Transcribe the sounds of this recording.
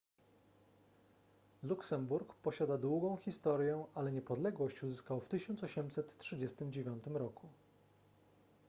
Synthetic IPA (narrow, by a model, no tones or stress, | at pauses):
luksɛmbuɾkpɔɕad̪ad̪wuɡɔ̃w̃xʲist̪ɔɾjɛʔalɛɲɛpɔd̪lɛɡwɔɕt͡ɕuzɘskawft̪ɘɕɔnt̪sɔɕɛmsɛt̪tːʂɘd͡ʑɛst̪ɘmd͡ʑevʲjɔnt̪ɘmɾɔkʰu